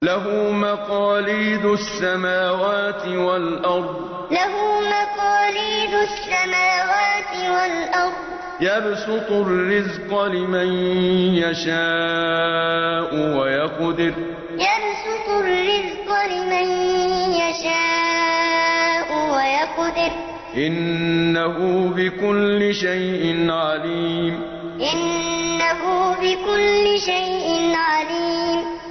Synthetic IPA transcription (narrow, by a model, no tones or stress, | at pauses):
laɦʊmaqɑːliːd̪ʊsːamaːwaːt̪ɪwalʔɑɾˤd̪ˤ | laɦʊmaqɑːliːd̪ʊsːamaːwaːt̪ɪwalʔɑɾˤd̪ˤjabsʊt̪ˤʊlːɪzqɑlɪmanjaʃaː | ʔʊwajɑqd̪ɪɾ | jɑɾˤsʊt̪ˤʊlːɪzqlɪmanjaʃaː | ʔʊwajɑqd̪ɪɾ | ʔɪnːaɦʊbɪkʊlːɪʃajʔɪnʕaliːm | ʔɪnːaɦʊbɪkʊlːɪʃajʔɪnʕaliːm